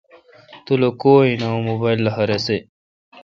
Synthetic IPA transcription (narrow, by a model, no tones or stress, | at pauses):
t̪ulokoːinɐumobajlːɐɦɐɾese